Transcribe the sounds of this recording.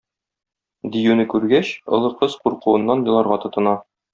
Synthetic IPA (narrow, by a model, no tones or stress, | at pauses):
d̪ijʉnɘkʉɾɡæɕŏ̰lˠɤ̆qɤzquɾqŭwɤ̆nːɑnjɤ̆lˠɑɾʁɑt̪ɤ̆t̪ɤ̆nɑ